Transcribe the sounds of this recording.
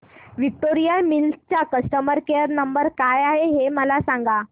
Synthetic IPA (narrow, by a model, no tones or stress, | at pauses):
ʋik̚ʈoɾijamilt͡ɕakəsʈəməɾkeəɾnəmbəɾkajaɦeɦeməlasaŋɡa